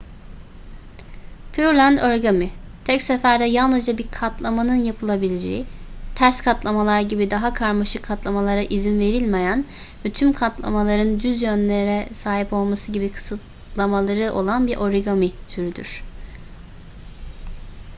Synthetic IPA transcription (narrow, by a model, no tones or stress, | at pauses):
pʰyɾlʲænd̪oɾɡamit̪ʰɛcsɛfæɾd̪ɛjalˠnɯzd͡ʒabiɾkʰat̪ʰlˠamanɯnjapʰɯlˠabilʲed͡ʒḛit̪ʰæɾskʰat̪lˠamalˠaɾɟibid̪aɦakʰaɾmaʃɯkʰːat̪lˠamalˠaɾaʔizinve̞ɾilʲmejæn | vɛt̪ʰymkʰat̪lˠa̰malˠaɾɯnd̪yzjønlʲeɾɾɛsaːɦipo̞lˠmasɯɟibikʰɯ̥sɯt̪̚ | lˠamalˠaɾɯʔo̞̰lˠanbiɾʔo̞ɾiɡamit̪ʰyɾyd̪y̰ɾ̥